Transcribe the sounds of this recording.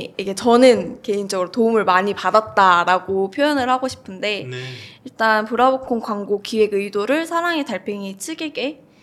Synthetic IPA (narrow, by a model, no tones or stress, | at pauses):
iɡe̞t͡ɕʌnɯnke̞ind͡ʑʌɡɯɾotoumɯɭmaɲipadat̚t͈aɾaɡopʰjojʌnɯɭhaɡoɕʰi̥pʰɯnde̞iɭt͈anpuɾabokʰoŋkwaŋɡokiwe̞ɡɯidoɾɯɭsʰaɾaŋe̞taɭpʰeŋit͡ɕʰɯɡeɡe̞